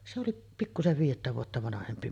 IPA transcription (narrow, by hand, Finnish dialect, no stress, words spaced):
se oliʔ pikːuseʋ ʋiːjetːæ ʋuotːɑ ʋɑnɑhempi